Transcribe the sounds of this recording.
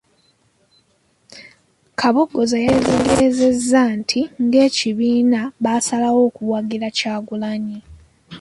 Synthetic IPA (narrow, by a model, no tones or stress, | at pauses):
kʰaβoɡo̞zajeziːŋɡeɾeze̞zːantʰiŋɡe̞ːciβiːnaβaːsalawo̞ːkuwaɡiɾacaːɡulaɲi